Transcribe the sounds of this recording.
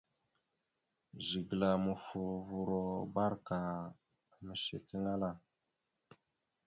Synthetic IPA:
ʒi˨ɡla˨mu˨fu˨vu˨ɾo˨ba˦ɾka˨ | mə˨ʃḛ˨ti˦ŋɡa˦la˦˨

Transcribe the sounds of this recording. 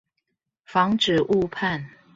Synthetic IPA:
fɑ˨˦ŋʈ͡ʂ̩˨˩ʔu˥˧pʰa˥˨n

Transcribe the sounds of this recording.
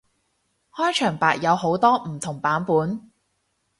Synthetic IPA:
hɔː˥jt͡ʃʰœː˨˩ŋpaː˨k̚jɐ˨˧who˨˥wt̪ɔː˥m̩˨˩t̪ʰʊ˨˩ŋpaː˨˥npuː˨˥n

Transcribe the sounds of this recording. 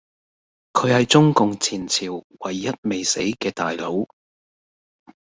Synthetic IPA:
kʰɵ˨˧hɐ˨jt͡sʊ˥ŋkʊ˨ŋt͡sʰiː˨˩nt͡sʰiː˨˩wwɐ˨˩jːɐ˥t̚me˨jse˨˥jkɛː˧t̪a̰ː˨jlo˨˥w

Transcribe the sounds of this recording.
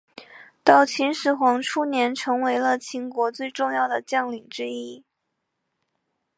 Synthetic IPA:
t̪ɑ˥˩ʊt͡ɕʰi˧˥nʂɻ̩˧˥xwɑ˧˥ŋʈ͡ʂʰu˥njɛ˧˥nʈ͡ʂʰɤ˧˥ŋwe˧˥ɪlə˧t͡ɕʰi˧˥ŋkwɔ˧˥t͡swe˥˧ɪʈ͡ʂʊ˥˧ŋjɑ˥˩ʊd̪ə˩t͡ɕjɑ˥˩ŋli˨˩ŋʈ͡ʂɻ̩˥i˥˩

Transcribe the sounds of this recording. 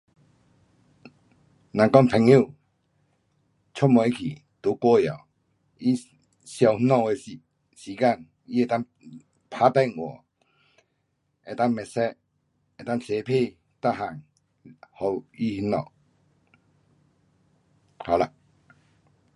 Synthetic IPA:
nã˨ŋkɔ˥˨ŋpʰɛ˨˥ŋu˥˨ | t͡ɕʰɔ˥˦˨mɔ˧˨i˦˥kʰi˨˩ | t̪u˨˦kwɔ˦ja̰˨w | i˦ | ɕja˧˩whi˦nɔ˧˨e˧˨si˨ | ɕiː˨˦ka˥˧˨ŋ | i˦e˨˩t̪a˥˨ŋ | pʰa˦t̪ɛ˥˨ŋwɔ̰˨˩ | ɛ˨t̪a˥˨ŋmɛ˨sɛ˧ʔ̚ | e˨t̪a˥˨ŋtʰe˨˧pʰe˥˧˨ | t̪a˥˨ɦa˨ŋ | hɔ˧i˦hi˦nɔ̰˧˨ʔ | ha˨la˧˩

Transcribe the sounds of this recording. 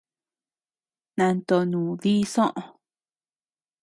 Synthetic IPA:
nã˧nt̪o˧˨nũː˨ði˦sõ˦ʔõ˨˧

